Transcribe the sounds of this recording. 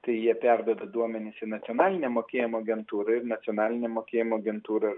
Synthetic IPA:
t̪ɐɪjiɛpʲæɾd̪od̪ɐd̪uɔmʲɛnʲɪsɪnɐt̪sʲjoːnɑːlʲɪnʲɛmoːkʲeːjɪmoːɐɡʲɛnt̪uːɾɐɪɾnɐt̪sʲiɔnɑːlʲɪnʲɛmoːkʲeːjɪmoːɐɡʲɛnt̪uːɾɐɪɾ

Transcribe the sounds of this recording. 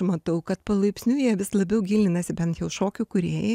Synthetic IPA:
mɐt̪ɐʊkɐt̪pɐlˠɐɪpʲsʲnʲuːjiɛʋʲɪslˠɐbʲɛʊɡʲiːlʲɪnɐsʲɪbʲɛnt̪jɛʊʃoːkʲʊkʊɾʲeːjɛ

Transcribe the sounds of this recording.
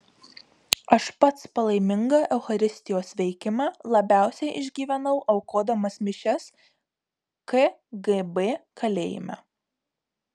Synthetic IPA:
ɐʃpɐt̪spɐlˠɐɪmʲɪŋɡɑʔɛʊxɐɾʲɪsʲt̪ʲɪjoːsʋʲɛɪkʲɪmɑːlˠɐbʲæˑʊsʲɛɪʔɪʒʲɡʲiːʋʲɛnɐʊʔɐʊkoːd̪ɐmɐsmʲɪʃʲɛs | keɡebeːkɐlʲḛːjɪ̰mʲæ̰

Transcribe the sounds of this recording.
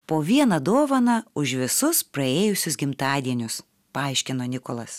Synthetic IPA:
poːʋʲiɛnɐd̪oːʋɐnɐʊʃʋʲɪsʊspɾɐeːjʊsʲʊsɡʲɪmt̪ɑːd̪ʲiɛnʲʊs | pɐɑˑɪʃʲkʲɪnoːnʲɪkolˠɐs

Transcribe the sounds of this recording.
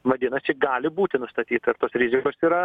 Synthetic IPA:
ʋɐd̪ʲɪnɐsʲt͡ʃʲɪɡɑːlʲɪbuːt̪ʲɪnʊst̪ɐt̪ʲiːt̪ɐɪɾt̪oːsɾʲɪzʲɪkoːsiːɾɐ

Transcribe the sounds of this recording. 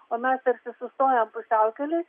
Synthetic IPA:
oːmʲɛst̪ɐɾʲsʲɪsʊst̪oːjɛmpʊsʲæʊkʲɛlʲɪ

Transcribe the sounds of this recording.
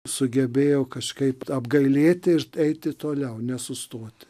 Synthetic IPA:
sʊɡʲɛbʲeːjɛʊkɐʃkɐɪpɐbɡɐɪlʲeːt̪ʲɪɪɾɛɪt̪ʲɪt̪oːlʲɛʊnʲɛsʊst̪oːt̪ʲɪ̥

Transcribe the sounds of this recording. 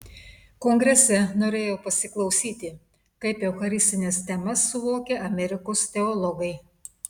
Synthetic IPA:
koːŋɡɾʲɛsʲɛnoːɾʲeːjoːpɐsʲɪklˠɒʊsʲiːt̪ʲɪ | kɐɪpjɛʊxɐɾʲɪsʲt̪ʲɪnʲɛst̪ʲɛmɐsːʊʋoːkʲeʔɐmʲɛɾʲɪkoːst̪ʲɛɔlˠɔɡɐɪ

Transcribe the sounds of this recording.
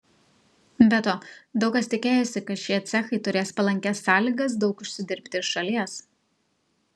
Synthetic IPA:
bʲɛt̪oːd̪ɒʊkɐsʲt̪ʲɪkʲeːjoːsʲɪkɐt̪ʃʲiɛt̪ʲsʲɛxɐɪt̪ʊɾʲeːspɐlˠɐŋʲkʲɛsːɑːlʲiɡɐsd̪ɒʊkʊʃʲsʲɪd̪ʲɪɾʲpʲt̪ʲɪɪʃʃɐlʲiɛs

